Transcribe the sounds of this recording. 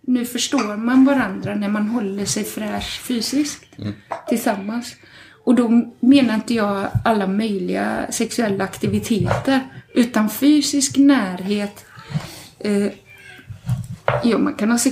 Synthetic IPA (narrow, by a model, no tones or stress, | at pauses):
nʉ̟ːfœʂʈoːɾmanvaɾand̪ɾanæɾmanɦɔlːəʂɛjfɾɛːʂfyːsɪskt̪t̪ʰːɪlsamːans | ɔd̪ɔmeːnaɾɪnt̪əjɑːɡalːamœjlɪɡa̰sɛksɵɛlːaːkt̪ɪvɪt̪ʰeːt̪əɾʔʉ̟ːt̪anfyːsɪsknæːɾɦeːt̪ | jɑːma̰nkʰanhɑːsɛ